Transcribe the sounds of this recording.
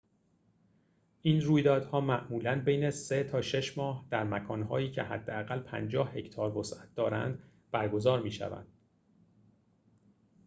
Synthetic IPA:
ʔiːnruːjd̪ɒːd̪hɒːmæʔmuːlænbejneset̪ʰɒːʃe̞ʃmɒːhd̪̥æɾmækʰɒːnɦɒ̰ːjiːcʰe̞̰ɦæ̰d̪ːeæɣælpʰæ̰nd͡ʒɒːhhe̞cʰt̪ʰɒːɾvosʔæt̪̚d̪ɒːɾæ̰nd̪ | b̥æɾɡo̞zɒːɾmiːʃæ̰væ̰nd̪̥

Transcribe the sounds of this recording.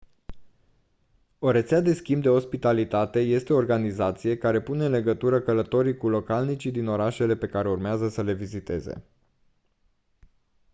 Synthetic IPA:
o̞ɾet̪sead̪e̞skʲimbd̪e̞ɦo̞spit̪alit̪at̪e̞je̞st̪e̞oːrɡanizat̪sije̞kaɾe̞pune̞ɨnle̞ɡət̪uɾəkələt̪o̞ɾikulo̞kalnit͡ʃid̪ino̞ɾaʃe̞le̞pe̞kaɾe̞urmeazəsəle̞vizit̪e̞̰ze̞̰

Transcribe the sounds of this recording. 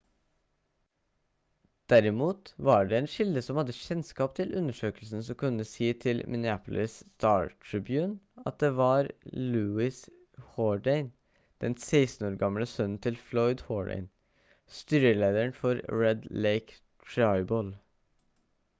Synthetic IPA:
d̪̥æɾɪmuːt̪ʋɑːɖeːɛːnʃɪld̪əsɔmhɑd̪ːəçɛnskɑːpt̪ʰɪlʔʉnəʂøːkəlsn̩sɔkʰʉnːəsiːt̪ʰɪlmʔɪnɪæːpʊlʔɪsst̪ɑːɹʈʰɹɪbjʉːnɑ̰t̪̚d̪eːʋɑɾlʉːɪs | hɔːɖæɪn | d̪̥ɛnseɪst̪n̩oːɾɡɑmləsœnn̩t̪ʰɪlflɔʏd̪hɔːɖæ̰ɪn | st̪yːɾəleːd̪əəɳfɔɾɹɛd̪leɪk | t̪ʰɹɑɪbɔl

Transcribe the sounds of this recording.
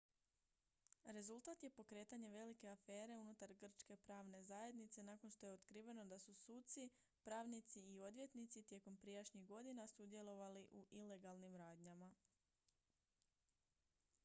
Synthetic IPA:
ɾe̞zulˠt̪at̪je̞po̞kɾe̞ːt̪aɲe̞ʋe̞like̞afe̞ːɾe̞unut̪aɾɡr̩t͡ʃke̞pɾaːʋne̞zaːje̞d̪nit̪se̞nako̞nʃt̪o̞jeot̪kɾiʋe̞no̞d̪asusuːt̪si | pɾaːʋnit̪siːo̞d̪ʋje̞t̪nit̪sit̪je̞ko̞mpɾijaʃɲiɣɡo̞d̪inasud̪je̞lo̞ʋaliʔuʔile̞ɡalnimɾaːd̪ɲama

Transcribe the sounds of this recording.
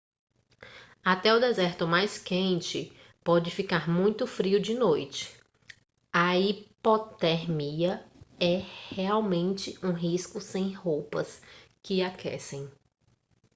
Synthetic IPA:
at̪ɛʊd̪ezɛɾt̪ʊmajskẽnt͡ʃɪ | pɔd͡ʒɪfikaɾmũj̃t̪ʊfɾiʊd͡ʒɪnojt͡ʃɪ̥ | ɐipɔt̪ɛɾmiɐɛheawmẽnt͡ʃɪũɦiskʊsẽj̃howpɐskɪakʰɛ̰sẽj̃

